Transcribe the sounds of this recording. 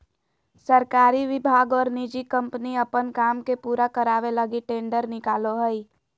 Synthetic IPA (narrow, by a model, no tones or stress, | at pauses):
səɾkaːɾiʋɪbʱaːɡɔːɾnid͡ʒikə̃mpniəpənkaːmkepuːɾakəɾaːʋeləɡiʈẽːɳɖəɾnɪkaːloɦəi